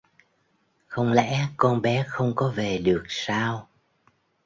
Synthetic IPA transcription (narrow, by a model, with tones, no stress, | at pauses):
xə˧wŋ͡mlɛ̰˧˥kɔ˧nɓɛ˨˦xə˧wŋ͡mkɔ˨˦ve˨˩ɗɨ˨˩ək̚saː˧w